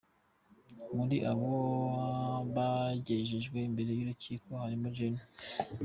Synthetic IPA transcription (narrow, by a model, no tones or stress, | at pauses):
muɾiʔaβo | βaɟeʒeʒɡwe̞imbe̞ɾe̞juɾuciːkʰo̞haɾimud͡ʒeni